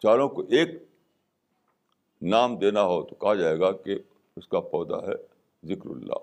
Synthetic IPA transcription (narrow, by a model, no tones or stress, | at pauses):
t͡ʃaːlõkoʔeːk | naːmd̪eːnaɦot̪o̥kɐɦad͡ʒaːeːɡake | ʊskapɔːd̪a̰ɦɛ̰ | zɪkɾʊ̰lːa̰ː